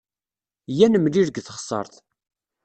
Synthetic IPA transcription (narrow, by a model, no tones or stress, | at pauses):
jænəmliɾɡθəχsˤɑ̰ɾˤθ